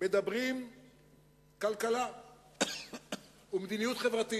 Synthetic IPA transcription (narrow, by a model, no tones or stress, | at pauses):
med̪abʁim | kalkala | umed̪inijut̪χevʁat̪i